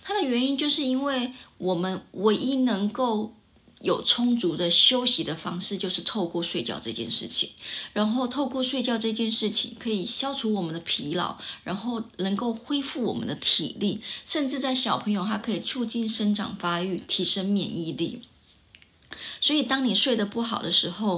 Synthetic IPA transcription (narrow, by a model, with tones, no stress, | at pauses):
t̪ʰa˥d̪ə˨ɥɛ˧˥ni˥nt͡ɕjo˥˧ʊʂɻ̩˥˩i˥nwe˥˩ɪwɔ˨˩mə˦nwe˧˥ɪʔi˥nɤ˧˥ŋko˥˩ʊ | jo˨˩ʊt͡sʰʊ˥ŋt͡su˧˥d̪ə˧ɕjo˥ʊɕi˧˥d̪ə˧fɑ˥ŋʂɻ̩˥˧t͡ɕjo˥˧ʊʂɻ̩˥˧t̪ʰo˥˧ʊkwɔ˥˧ʂwe˥˧ɪt͡ɕjɑ̰˥˧ʊʈ͡ʂɤ˥˧t͡ɕjɛ̰˥˧nʂɻ̩˥˩t͡ɕʰḭ̥˨˩ŋɻa˧˥nxo˥˧ʊt̪ʰo˥˧ʊkwɔ˥˧ʂwe˥˧ɪt͡ɕjɑ˥˧ʊʈ͡ʂɤ˥˧t͡ɕjɛ˥˧nʂɻ̩˥˩t͡ɕʰḭ˨˩ŋkʰɤ˧˥i˨˩ɕjɑ˥ʊʈ͡ʂʰu˧˥wɔ˨˩mə˦nd̪ə˧pʰi˧˥lɑ̰˨˩˦ʊɻa˧˥nxo˥˩ʊnɤ˧˥ŋko˥˩ʊxwe˥ɪfu˥˩wɔ˨˩mə̰˦nd̪ə˧t̪ʰḭ˨˩li˥˩ʂə˥˧nʈ͡ʂɻ̩˥˧t͡sa˥˩ɪɕjɑ˨˩ʊpʰɤ˧˥ŋjo˨˧ʊt̪ʰa˥kʰɤ˧˥i˨˩t͡sʰu˥˧t͡ɕi˥˩nʂə˥nʈ͡ʂɑ̰˨˩ŋfa˥y˥˩t̪ʰi˧˥ʂə˥ŋmjɛ̰˨˩ni˥˧lḭ˥˩ | swɔ˧˥i˨˩t̪ɑ˥ŋni˨˩ʂwe˥˩ɪd̪ə˩pu˥˩xɑ˨˩ʊd̪ə˦ʂɻ̩˧˥xo˥˧ʊ